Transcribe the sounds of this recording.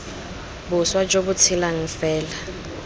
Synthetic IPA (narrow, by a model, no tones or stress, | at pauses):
bʊswad͡ʒobʊt͡sʰilaŋ̩fɛːla